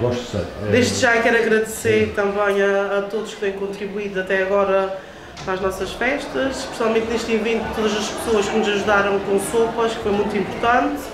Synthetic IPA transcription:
ɡɔʃt̪sɐ̰jd̪eʒd̪ʒakɛɾɐɣɾɐðseɾt̪ɐ̃mbɐ̃j̃ɐːt̪oðuʃk̚t̪ɐ̃j̃kõnt̪ɾiβuiðuɐt̪ɛɐɣɔɾɐ | pɾaʒnɔsɐʃfɛʃt̪ɐʃpɾsialˠmẽnt̪neʃt̪ĩvẽnt̪ut̪oðɐzɐʃpsoɐʃkɨnuzɐʒuðaɾɐ̃w̃kõsopɐʃkfojmũj̃t̪ĩmpuɾt̪ɐ̃nt̪

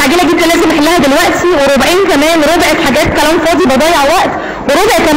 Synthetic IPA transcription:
aʕɡiːlæɡid̪ːælæːzemʔeħelːæhæd̪elwæʔt̪iweɾobʕiːnkæmæːnɾˤobeʔet̪ħaɡæːt̪̚kælæːmfɑːd̪ˤibɑd̪ˤɑːjeʕwæʔt̪ | weɾˤobeʔet̪kæm

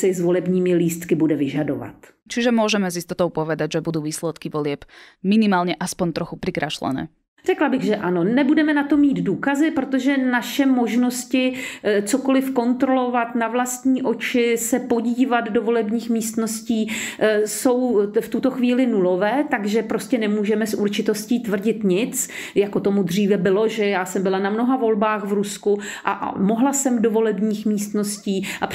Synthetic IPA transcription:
sɛzvolɛbɲiːmɪliːst̪kɪbudɛvɪʒado̰va̰t̪ | t͡ʃiʒɛmʊɔʒɛmɛzist̪ɔt̪ɔʊpɔʋɛd̪aɟʒɛbud̪uːʋiːslɛt̪kɪʋɔlɪɛbminɪmaːlɲɛʔaspɔɲt̪ɾɔxupɾikɾaʃlɛ̰nɛ̰ː | r̥ɛklabɪɣʒɛʔanonɛbudɛmɛnat̪omːiːd̪duːkazɪpɾot̪oʒɛnaʃɛmoʒnoscɪt͡sokolɪfko̞nt̪ɾolovat̪navlast̪ɲiːʔot͡ʃɪsɛpo̞ɟiːvad̪do̞vo̞lɛbɲiːxmiːst̪no̞sciːso̞wft̪ut̪o̞xviːlɪnulo̞vɛːt̪aɡʒɛpɾo̞scɛnɛmuːʒɛmɛsʔuɾt͡ʃɪt̪o̞sciːt̪vr̩ɟɪt̪ɲɪt͡s | jakot̪o̞mud̪r̝iːvɛbɪlo̞ʒɛjaːsɛmbɪlanamno̞ɦavo̞lbaːxvɾuskuʔaʔmo̞ɦlasɛmdovo̞lɛbɲiːxmiːst̪no̞sciːʔa

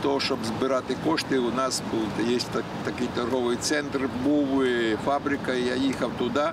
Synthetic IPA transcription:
t̪ɔɔʂɔbzbɨɾat̪ɪkɔʂt̪ɨwnasujesʲt̪ʲa | t̪ɐkʲijt͡ʃarɣɔʋɨjt̪sɛnt̪rbuʋɨfabɾʲɪkɐjajixɐwt̪ʊd̪a

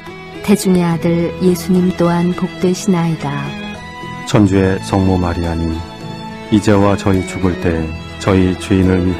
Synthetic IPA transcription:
ted͡ʑuŋeadɯɭjesʰuɲimt͈oɦanpok̚t͈we̞ɕʰinaida | t͡ɕʰʌnd͡ʑue̞sʰʌŋmomaɾiaɲi | id͡ʑe̞wat͡ɕʌit͡ɕuɡɯɭt͈e̞ | t͡ɕʌit͡ɕweinɯɭɥi

